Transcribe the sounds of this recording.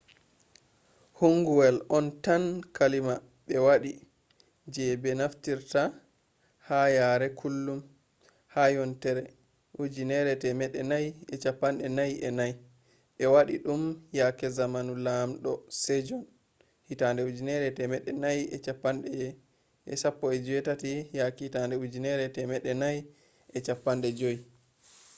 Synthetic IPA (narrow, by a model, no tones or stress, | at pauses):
huŋɡuwɛlɔntankalima | ɓɛwaɗi | d͡ʒɛbɛnaftiɾta | hajaɾɛkʰulːum | hajɔntɛɾɛ | ʔud͡ʒinɛɾɛtɛmɛɗːɛnajɛt͡ʃapːanɗɛnajʔɛnaj | ɓɛwaɗiɗumjakɛzamanulamɗɔsɛd͡ʒɔn | hitandɛud͡ʒinɛɾɛtɛmɛɗːɛnajɛt͡ʃapːanɗɛjɛ | ɛsapːɔɛd͡ʒɔwɛtatijakɛhitandɛud͡ʒinɛɾɛtɛmɛɗɛnaj | ʔɛt͡ʃapːanɗɛd͡ʒoji